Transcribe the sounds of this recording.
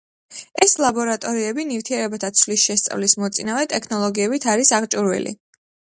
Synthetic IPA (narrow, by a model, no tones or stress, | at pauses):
ɛslˠabɔɾat̪ʼɔɾiɛbinift̪ʰiɛɾɛbat̪ʰat̪sʰlisʃɛst̪sʼa̰vlismɔt̪sʼinavɛt̪ʼɛkʰnɔlˠɔɡiɛbit̪ʰaɾisaʁt͡ʃʼuɾwɛ̰lʔḭ